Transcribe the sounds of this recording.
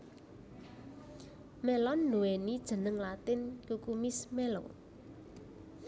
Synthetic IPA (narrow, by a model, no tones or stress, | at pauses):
mɛlɔnːuwenid̥ʒ̥ə̤nəŋlat̪ɪnkukumismɛlo̰